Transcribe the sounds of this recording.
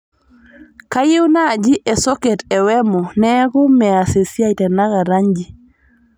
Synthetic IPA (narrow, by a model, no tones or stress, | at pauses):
kajiwnad͡ʒiʔɛsɔketɛwɛmɔnɛkumɛasesiaitɛnaɡaɾaɲd͡ʒi